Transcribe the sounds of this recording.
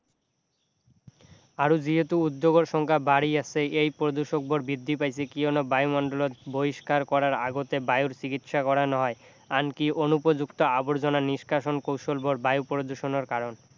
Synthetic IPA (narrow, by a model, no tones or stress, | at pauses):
aɾud͡ʑiɦet̪uud̪ːoɡoɾʃɔŋkʰabaɽiasʰeejpɾod̪uʃok̚boɾbid̪ʱːipajsʰekionobajumɔnɖolot̪̚boiʃkaɾkɔɾaɾaɡot̪ebajuɾt͡ɕikit̪ʃakɔɾanɔɦɔe | ankiʔonupod͡ʑukt̪oaboɾd͡ʑonaniʃkaʃonkowʃolboɾbajupɾod̪uʃonoɾkaɾon